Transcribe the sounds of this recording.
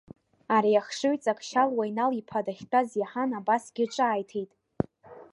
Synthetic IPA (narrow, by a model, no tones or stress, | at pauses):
aɾijaχʂɨɥt͡sʼakʼʃalwajnalipʰadaχʲtʼazjaħanabasɡʲɪʈ͡ʂʷʼaːjtʰejtʼ